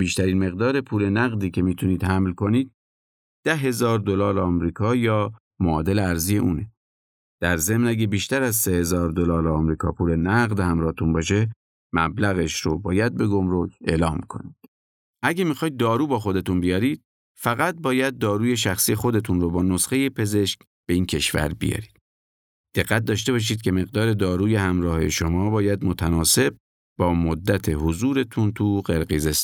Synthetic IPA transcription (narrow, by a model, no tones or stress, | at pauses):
biːʃt̪æɾiːnme̞ɣd̪ɒːɾe̞pʰuːle̞næɣd̪iːcʰe̞miːt̪ʰuniːd̪̥hæmlkʰo̞niːd̪̚ | d̪̥æɦe̞zɒːɾd̪o̞lɑːɾɒːmɾiːkʰɒːjɒː | moːd̪e̞leæɾzije̞ʔuːne̞ | d̪̥æɾze̞mnæɟebiːʃt̪æɾæzsehe̞zɒːɾd̪olɒːɾɒːmɾiːkʰɒ̰ːpʰuːle̞næɣd̪hæmɾɒːht̪ʰunbɒːʃ̬e̞ | mæ̰blæɣe̞ʃɾobɒːjæd̪̚be̞ɡo̞mɾo̞cʰe̞̰ːlɒːmkʰo̞̰niːd̪̥ | ʔæɟæmixɒːjd̪̚ːɒːɾuːbɒːxo̞d̪e̞t̪unbijɒːɾiːd̪̚ | fæɣæt̪̚bɒːjæd̪̚ːɒːɾuːje̞ʃæxsije̞xo̞d̪e̞t̪ʰunɾobɒːnosxe̞jepʰe̞ze̞ʃk | b̥e̞iːncʰe̞ʃvæ̰ɾbḭjɒ̰ːɾi̥ːd̥̪ | d̪̥eɣːæt̪̚d̪ɒːʃt̪e̞βɒːʃ̬iːd̪̚cʰʲe̞me̞ɣd̪ɒːɾe̞d̪ɒːɾuːje̞hæmɾɒːhe̞̰ʃo̞mɒːbɒːjæd̪mot̪ʰænɒːse̞b̚ | bɒːmod̪ːæt̪ʰe̞hozuːɾe̞t̪ʰunt̪ʰuɢeɾɣiːzes